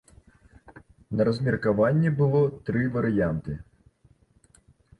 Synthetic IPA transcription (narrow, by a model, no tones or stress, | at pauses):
nɐɾɐzʲmʲirkaʋanʲːibɨlˠɔt̪ɾɪʋɐɾɪjant̪ɨ